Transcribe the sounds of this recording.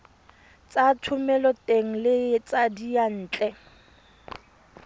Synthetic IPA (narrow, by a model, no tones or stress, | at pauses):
t͡satʰʊmɛlɔtʼeŋ̩lɪt͡sʼadijan̩ːt͡ɬʼɛ